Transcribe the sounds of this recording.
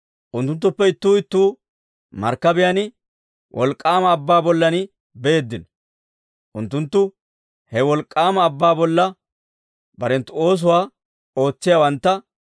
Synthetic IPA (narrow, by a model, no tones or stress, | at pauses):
ʔʊnt̪ːʊnt̪ːʊpːɛɪt̪ːuːɪt̪ːuː | mɐ̰ɾkːɐbɪjɐnɪ | wʔɔ̰lkʼːaːmɐːbːaːbɔlːɐnɪ | beːd̪ːɪnɔ̥ | ʔʊnt̪ːʊnt̪ːʊ | hɛwɔlkʼːaːmɐːbːaːbɔlːɐ | bɐɾɛnt̪ʊo̞ːs̬ʊwaː | o̞ːt͡sːɪjawɐnt̪ːɐ